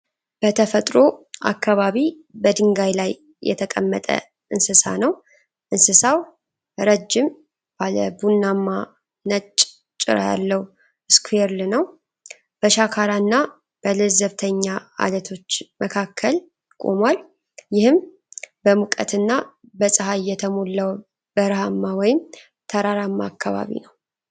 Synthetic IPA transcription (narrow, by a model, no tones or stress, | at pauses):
b̥ət̪ʰəfət̪ʼɾo̞ʔa̰kʰːaβaβi | bəd̪ɨŋɡajlaj | jːɛ̰t̪ʰəkʼəmːət̪ʼə̰ | ʔɨnsɨsa̰nəw | ʔɨnsɨsaw | ɾəd͡ʒːɪm | b̥aləbunːamːa | nət͡ʃʼ | t͡ʃʼːɪ̰ɾa̰ja̰lːəw | ɨskʰueɾlɨnəw | b̥əʃakʰaɾanːa | b̥əlɨzəβt̪ʰəɲːaa̰lət̪ʰo̞t͡ʃːməkʰakʰːəl | kʼo̰mwal | jɪhɨm | bəmukʼə̰t̪ʰɨnːabəsʼəɦajːɛt̪ʰəmolːəw | bəɾhamːawɔjɪm | t̪ʰəɾaɾamːa̰ːkʰːaβa̰βḭnəw